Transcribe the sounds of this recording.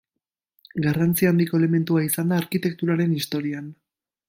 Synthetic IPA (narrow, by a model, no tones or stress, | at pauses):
ɡarant͡siand̪iko̞e̞leme̞nt̪uaisand̪aːɾkit̪e̞k̚t̪uɾaɾe̞nist̪o̞ɾian